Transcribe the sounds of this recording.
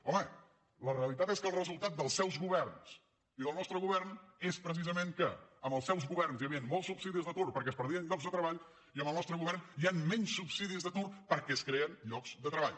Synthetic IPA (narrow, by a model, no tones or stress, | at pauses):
ɔmə | ləreəlit̪at̪eskəlˠrəzulˠt̪at̪̚d̪əlˠsɛwzɣuβɛrns | iðəlˠnɔst̪ɾəɣuβɛrnespɾəsizəmeŋkəːməlˠsɛwzɣuβɛrnzjəβiənmɔlˠsupsiðizðət̪urpəɾkɛəspəɾðiənʎɔɡzðət̪ɾəβaʎ | iəmbəlˠnɔst̪ɾəɣuβɛrnianmɛɲsːupsiðizðət̪urpəɾkɛskɾeənʎɔkz̥d̪ət̪ɾəβ̞a̰ʎ